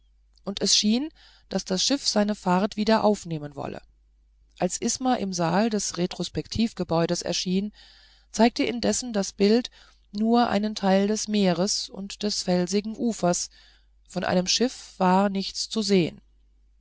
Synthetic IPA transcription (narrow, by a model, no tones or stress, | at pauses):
ʔʊntɛsʃiːn | d̥asd̥asʃɪfz̥aɪnəfaɐtv̥iːdɐʔaʊfneːmənvɔ̰lə̰ | ʔalsʔɪsmaʔɪmzaːldɛsʁetʁ̥ospɛktʰiːfɡ̥əbɔʏɾəsɛ̰ɐʃiːn | t͡saɪk̚təʔɪndɛsn̩dasb̥ɪlt | nuːɐʔa̰ɪnəntʰaɪldɛsmeːʁəsʊ̰ntd̥ɛsfɛlzɪɡŋ̩ʔuːfɐs | fɔnʔa̰ɪnəmʃɪfv̥aːɐnɪçt͡st͡suzeːə̰n